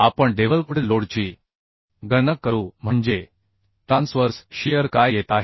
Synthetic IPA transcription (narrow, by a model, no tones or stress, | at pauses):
apəɳɖeʋəlkuɽloɽt͡ɕiː | ɡənəkːəɾuːm̤əɳd͡ʑe | ʈɾãnsfəɾsɕijəɾkajjet̪aɦe